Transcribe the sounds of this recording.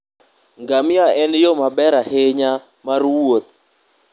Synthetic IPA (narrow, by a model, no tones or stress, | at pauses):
ŋɡamɪaɛnjomabɛɾaheɲa | marwot̪̚